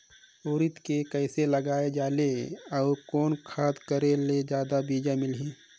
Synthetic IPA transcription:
oːɾɪt̪kekəɪseləɡaːed͡ʒaːleɔːɾkɔːnkʰaːd̪kəɾeled͡ʒjaːd̪abiːd͡ʒamɪlɦĩː

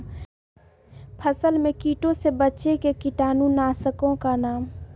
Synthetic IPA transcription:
pʰəsəlmẽkiːʈõsebətːʃekekɪʈaːnũnaːsəkõkanaːm

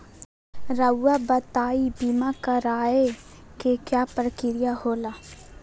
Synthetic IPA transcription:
ɾəwːabət̪aːibimakəɾaːe | kekjaːpɾəkɪɾɪjahoːlaː

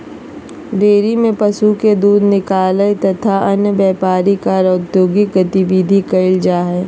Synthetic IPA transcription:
ɖeːɾimẽpɐsuked̪uːd̪ʱnɪkaːlət̪ɐt̪ʰaɐnjəbjɛːpaːɾikaɾɐʊt̪joːɡiɡɐt̪ɪʋid̪ʱikɐɪld͡ʒaːɦɛː

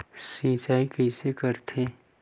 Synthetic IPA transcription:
sĩːt͡ʃaːikɛɪsekəɾt̪ʰẽː

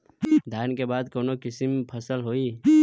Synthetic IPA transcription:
d̪ʱaːnkebaːd̪koːnokɪsmpʰəsəlɦoːiː

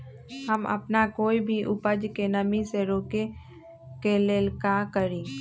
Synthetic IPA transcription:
ɦəmə̰pnakoːibʱiʔʊpəd͡ʒkenəmĩseɾoːke | keleːlkakəɾĩː

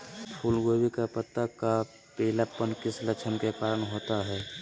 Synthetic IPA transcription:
pʰuːlɡoːbikapət̪ːəkːa | pelapənkɪslət͡ʃʰənkekaːɾəɳɦoːt̪aɦɛː

